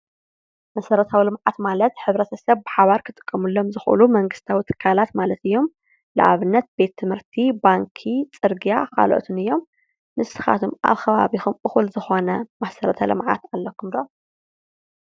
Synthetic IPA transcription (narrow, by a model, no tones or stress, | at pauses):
mɐsɐɾɐt̪ʰawilɨmʕat̪malɐt̪ħɨβɾɐt̪ʰɐsɐβbɨħaβaɾkʰɨt̪ʼɨ̥kʼːɐmulːo̞mzɨxʔṵlumɐŋɡɨst̪ʰawit̪ʰɨ̥kʰːalat̪malɐt̪ɨjːo̞m | lɨ̰ʔa̰βɨnːɐt̪̚be̞t̪ʰːɨmhɨɾt̪ʰibaŋkʰit͡sʼɨɾɡijaka̰lʔo̰t̪ʰunɨjːo̞mː | ɨsɨ̥xa̰t̪ʰumʔa̰βxɐβa̰βixumɨxulzɨxo̞nɐmasɐɾɐt̪ʰɐlɨ̰mʕa̰t̪alːɐkʰːumd̪o